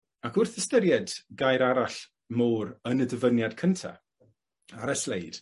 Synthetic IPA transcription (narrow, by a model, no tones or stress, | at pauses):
akʊrθəstəɾjɛdɡajɾaɾaɬ | moːɾənədəvənjad̥kʰəntʰa̰ | aɾɛslejd̥